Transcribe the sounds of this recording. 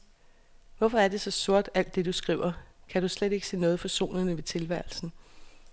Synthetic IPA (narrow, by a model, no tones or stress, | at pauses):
ʋɒfɒ̽æɐd̥e̝sɒ̽so̝ɐd̥æl̰d̥ːe̝d̥usɡ̥ʁiʊɐkʰæɾ̥usled̥e̝ɡ̥se̝̰ːnɔːð̞̩ˠfɒ̽so̝̰ːnð̩ˠnəʋe̝t͡sʰe̝lʋæɐl̩sn̩